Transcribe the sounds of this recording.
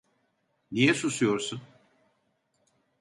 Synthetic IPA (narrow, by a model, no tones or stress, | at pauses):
nijɛsusujo̞ɾsun